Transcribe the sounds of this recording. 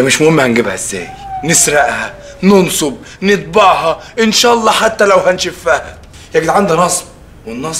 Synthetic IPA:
mɪʃmʊhɪmːahænɡɪbhæɪzːæ̰ːjnɪsɾˤɑʔhæ | nʊnsˤob̚ | nɪt̪̚ˤbɑʕhɑʔɪnʃæːʔɑlˤːɑːħat̪ːælæwhænʃɪfːæhæ | jæɡɪd̪ʕand̪ænɑsˤb | wɪnːɑsˤ

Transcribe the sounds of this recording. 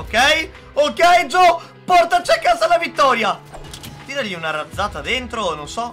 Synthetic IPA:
okɛj | okːɛjd͡ʒɔ | pɔrt̪at͡ʃiakːaːzalːavit̪ːɔːɾjat̪iːɾaʎiunaɾad̪zːaːt̪ad̪ent̪ɾononsɔ

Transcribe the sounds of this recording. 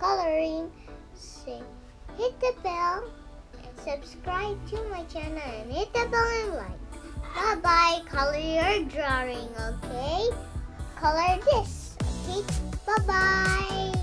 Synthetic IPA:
kʰʌlˠə˞ɪ̃ŋ | sɪ̃ŋ | hɪt̪̚ðɨbɛlˠ | ɨ̃sɨb̥skɹaɪb̚tʰumaɪt͡ʃɨnɨɨ̃nhɪt̪̚ðɨbɛlˠɪ̃nlaɪkb̥abaɪkʰʌlˠə˞jə˞dɹɔɹɪ̃ŋoʊkʰeɪkʰʌlˠə˞ðɪs | kitb̥abaɪ

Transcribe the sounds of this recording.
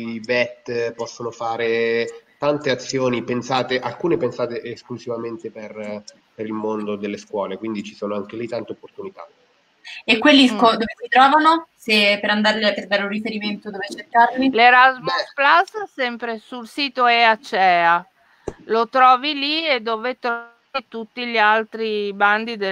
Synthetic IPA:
ibɛt̪ːpɔsːonofaːɾet̪ant̪eat̪sːjoːnipensaːt̪eʔalkuːnepensaːt̪eʔeskluzivament̪eper | peɾilmond̪od̪elːeskwɔːlekwind̪it͡ʃisoːnoaŋk̟elit̪ːant̪eopːort̪unit̪a | ekwelːikod̪oːvesit̪ɾɔːvanosepeɾand̪aɾliap̪ːeɾbɛɾurifeɾiment̪od̪oːvet͡ʃːerkːaɾlileɾazmusplasːɛmpɾesulsiːt̪oeat͡ʃɛːa | lot̪ɾɔːvilied̪ːoːvet̪ɾɔ | vit̪ut̪ːiʎialt̪ɾiband̪id̪e

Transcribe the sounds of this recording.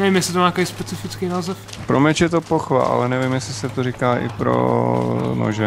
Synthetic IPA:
nɛvimjɛsɪt̪omaːakejspɛt͡sɪfɪt͡skejnaːzɛf | pɾomɛt͡ʃjɛt̪opoxva̰ʔa̰lɛnɛvimjɛslɪsɛt̪orikaːʔɪ̰pɾo̰ | no̰ʒɛ

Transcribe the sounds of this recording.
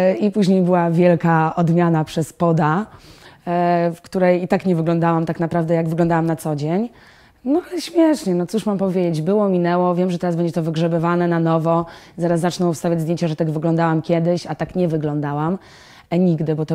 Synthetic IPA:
ipuʑɲejbɘwavʲjɛlkaɔd̪mʲjanapʂɛspɔd̪a | fkt̪uɾɛjit̪akɲɛvɘɡlɔ̃nd̪awamt̪aknapɾavd̪ɛjaɡvɘɡlɔ̃nd̪awamnat̪sɔd͡ʑeɲ | nɔalɛɕmʲjɛʂɲɛnɔt̪suʂmampɔvʲjed͡ʑed͡ʑbɘwɔmʲinɛwɔvʲjɛmʐɛt̪ɛɾazbɛɲd͡ʑɛt̪ɔvɘɡʐɛbɘvanɛnanɔvɔzaɾasːat͡ʂnɔwfst̪avʲad͡ʑzd̪ʲjeɲt͡ɕaʐɛt̪aɡvɘɡlɔnd̪awamkʲjɛd̪ɘɕat̪akɲɛvɘɡlɔnd̪awam | ɲiɡd̪ɘbɔt̪ɔ

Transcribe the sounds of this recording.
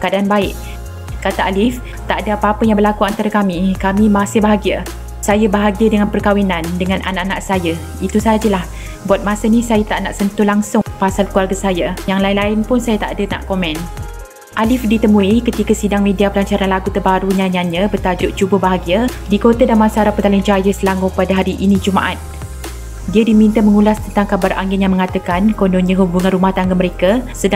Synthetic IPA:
kadaanbaɪʔ | kat̪aʔalɪf | t̪aʔdəapaapəjaŋbəlakuant̪aɾakamikamimasɪhbaɦaɡia | sajabaɦaɡiadəŋanpərkawinandəŋanʔanaʔanaʔsajə | it̪usad͡ʒəlah | buat̪̚masənisajat̪aʔnaʔsənt̪ulaŋsʊŋpasalkualɡəsajajaŋlaɪnlaɪnpʊnsajat̪a̰ʔdəna̰ʔkomɛn | ʔalɪfdit̪əmuikət̪ikasidaŋmediapəlaɲt͡ʃaɾanlaɡut̪ərbaɾuɲãɲaɲə̃bət̪ad͡ʒʊʔt͡ʃubəbaɦaɡiadikot̪adanmãsaɾapət̪alɪnd͡ʒajəsəlaŋʊpadaɦaɾiʔinĩd͡ʒuma̰ʔat̪̚ | diədimint̪əməŋulast̪ənt̪aŋkabarʔaŋɪnjaŋməŋat̪əkankondonɲãɦubuŋãnrɾumaht̪aŋɡaməɾekasəda

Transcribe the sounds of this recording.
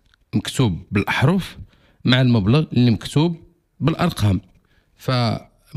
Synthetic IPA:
məkt̪ubːəlʔəħɾˤuf | maʕəlməbləɣʔəlːiməkt̪ub̚ː | əlʔɑɾˤqɑm | fæ

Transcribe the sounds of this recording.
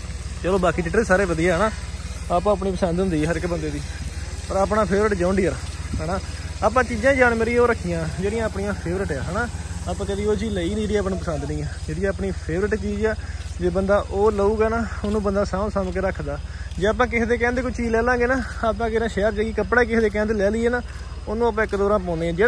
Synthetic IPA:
t͡ʃɛːlõːbaːkiːʈɪʈɾiːsaːɾeːʋəd̪ijaːɦɛnaːaːpãːəp̬niːpəsənd̪ɦʊ̃nd̪iːɦəɾɪkːbənd̪eːd̪iːpəɾaːpnaːpʰeːʋɾɪʈd͡ʒaːʊɳɖiːəɾɦɛːnaːaːp̬ãːt͡ʃiːd͡ʒãːd͡ʒaːɳ̃meːɾiːoːɾəkʰijãːd͡ʒeːɽɪjãːəpɳĩjãːpʰeːʋɾɪʈjaːɦɛːnaːaːpãːkəd̪iːoːt͡ʃiːləiːnĩːɾiːaːpaːnũːpəsənd̪nɪ̃ːɛːd͡ʒeːɽɪjãːəpɳiːpʰeːʋəɾɪʈt͡ʃiːd͡ʒɛːd͡ʒeːbənd̪aːʔoːləuːɡaːnaːonũːbənd̪aːsãːsaːmkeɾəkʰd̪aːd͡ʒeːaːp̬ãːk̬ɪsd̪eːk̬ɛ̃ːnd̪eːkʊt͡ʃiːd͡ʒlɛːlãːɡeːnaːaːpãːkeɾãːʃɛːɾd͡ʒeːɡiːkəpːɽaːikɪsd̪eːk̬ɛ̃ːnd̪lɛːliːeːnaːoːnũːaːp̬ãːɪkd̪oːɾãːp̬õːneːãːd͡ʒeː

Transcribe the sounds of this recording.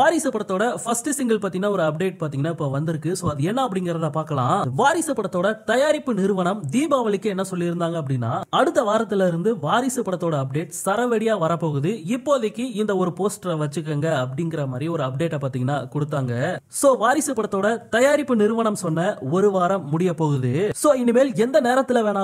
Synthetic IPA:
ʋaːɾɪsɐpːɐɽɐt̪ːoːɽɐfɐsʈɯsɪŋɡɐlpaːt̪iːŋɐnːaːɔɾɯɐp̚ɖeːʈ̚paːɾt̪iŋɐnaːɪpːoʋɐnd̪ɪɾɯkːɯsoːɐðɯɛnːɐːp̬ːɐɽɪŋɡɪɾɐðapaːɾkɐlã̰ːʋaːɾɪsɐpːɐɽɐt̪ːoːɽɐt̪ɐjaːɾɪpːɯnɪɾɯʋɐɳɐmd̪iːmbaːʋɐɭɪkːɯɛnːɐsɔlːɪɪɾɯnd̪aːŋɡɐp̬ːɐɽɪnːaːɐɽɯt̪ːɐʋaːɾɐt̪ːɪlɪɾɯnd̪ɯʋaːɾɪsɐpːɐɽɐt̪ːoːɽɐːp̚ɖeːʈsɐɾɐʋɛɽɪjaːʋɐɾɐpːoːɣɯðɯɪpːoːðɐkːɯɪnd̪ɐɔɾɯpoːsʈʋɐt͡ʃːɯkːɐŋɡɐɐp̬ːɐɽɪŋɡɪɾɐmaːd̪ɾiɔɾɯɐp̚ɖeːʈːɐpaːɾt̪iːŋɡɐnːa̰ːkɔɽɯt̪ːaːŋɡɐsoːʋaːɾɪsɯpːɐɽɐt̪ːoːɽɐt̪ɐjaːɾɪpːɯnɪɾɯʋɐɳɐmsɔnːɐɔɾɯʋaːɾɐmːʊɽɪjɐpːoːɣɯðɯsoːɪnːɯmeːlɛnd̪ɐneːɾɐt̪ːɪlɐʋeːɳaː

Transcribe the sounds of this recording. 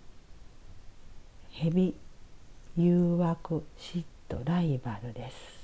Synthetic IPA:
he̞bʲi | jɯːβakɯ̟ɕit̪ːo̞̰ɾaibaɾɯ̟d̪e̞sɨ̥

